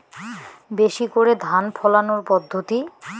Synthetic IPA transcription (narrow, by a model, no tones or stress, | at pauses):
beʃikoɾed̪ʱanpʰɔlanoɾpɔd̪ʱːot̪i